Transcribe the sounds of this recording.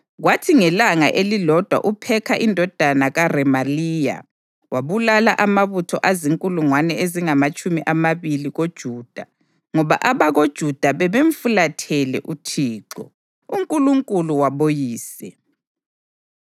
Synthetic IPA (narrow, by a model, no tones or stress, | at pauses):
ɣwatʰiŋɛlaŋa̰ʔelilɔd̥ʱwa̰ʔupʰɛkʰaʔindʱɔd̥ʱanaɣarɛmaliːja̰ | waβulalaʔamaβutʰɔʔaziŋkʼuluŋwanɛeziŋamat͡ʃʼumiʔamaβiliɣod̥ʒ̥ʱuːd̥ʱa | ŋɔβaʔaβaɣod̥ʒ̥ʱud̥ʱaβɛβeɱfulatʰɛlɛ̰ʔutʰiːǃɔ̰ | uŋkʼuluŋkʼuluwaβojiːsɛ